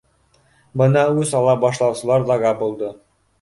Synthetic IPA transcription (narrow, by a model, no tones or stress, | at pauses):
bɤnɑʉzɑlˠɑbɒʃlˠɑwsɤ̆lˠɑɾlˠɑɡɑbulˠd̪ɤ